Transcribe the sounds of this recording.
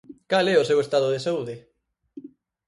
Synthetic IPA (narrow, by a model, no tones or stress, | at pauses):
kalɛosewest̪að̞oðesauðɪ